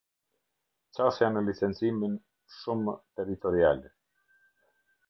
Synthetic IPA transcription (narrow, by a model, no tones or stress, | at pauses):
t͡ɕasjanəlit͡sɛnt͡simin | ʃumt̪ɛɾit̪ɔɾia̰l